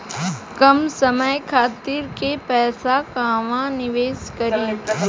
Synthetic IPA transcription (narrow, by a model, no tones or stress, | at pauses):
kɐmsɐməjkʰaːt̪iːɾkepɛːsakãːʋãnɪʋeːskɐɾiː